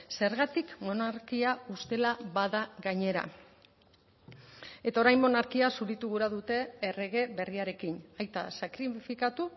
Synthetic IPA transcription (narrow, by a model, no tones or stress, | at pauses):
se̞ɾɣat̪ikmo̞naɾkiaust̪e̞laβaðaɣaɲe̞ɾa̰ | e̞t̪ao̞ɾajnmo̞naɾkiasuɾit̪uɣuɾaðut̪e̞ːre̞ɣ̞e̞βe̞riaɾe̞kinajt̪a̰sakɾifikat̪u